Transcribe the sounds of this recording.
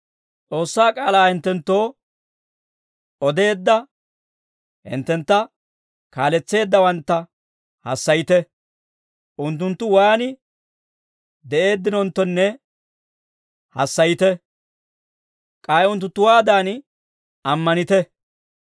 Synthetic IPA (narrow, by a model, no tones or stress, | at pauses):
t͡sʼo̞ːsːaːkʼaːlaːhɪnt̪ːɛnt̪ːo̞ː | ɔd̪e̞ːd̪ːɐ | hɪ̰nt̪ːɛnt̪ːɐ | kaːlɛt͡sːe̞ːd̪ːɐwɐnt̪ːɐ | hɐ̰sːɐjɪt̪ɛ | ʔʊnt̪ːʊnt̪ːʊwaːnɪ | d̪ɛʔe̞ːd̪ːɪnɔnt̪ːɔnːɛ | hɐsːɐjɪt̪ɛ | kʼaːjʊnt̪̬ːʊt̪ʊwaːd̪aːn | ɐmːɐnɪt̪ɛ